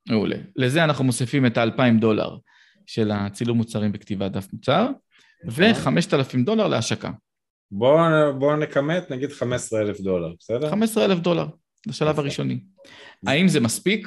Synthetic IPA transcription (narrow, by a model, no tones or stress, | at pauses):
meṵlʔḛle̞zeanaχnumo̞sifime̞taːlpaimdo̞la̰ʁ | ʃe̞lat͡siluʁmut͡saʁimbekt̪ivad̪afmut͡saʁ | ve̞χame̞ʃt̪alafimdo̞laʁleaʃaka̰ | bobo̞nekametnaɡid̪̥χamesʁeelefd̪o̞laʁbesedχamesʁeelefd̪o̞laʁ | laʃalavaʁiʃo̞ni | aimzemaspik